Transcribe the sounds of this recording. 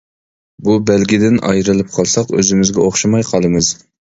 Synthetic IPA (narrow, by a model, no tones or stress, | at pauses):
bubɛlɡʲid̪ɪnɑ̰jɾɨlˠɨp̚qʰɑlˠsɑqø̰zɪmɪzɡʲɛoχʃɑmɑjqʰɑlˠɨmɨz̥